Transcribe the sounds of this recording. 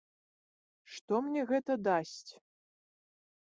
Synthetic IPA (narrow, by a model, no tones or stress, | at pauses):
ʂt̪ɔmnʲɛɣɛt̪ɐd̪asʲt͡sʲ